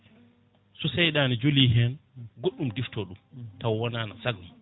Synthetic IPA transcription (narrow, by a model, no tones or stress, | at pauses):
susɛjɗaːnid͡ʒuliɦɛnɡoɗːumdiftɔɗumtawwɔnaːnasaɡum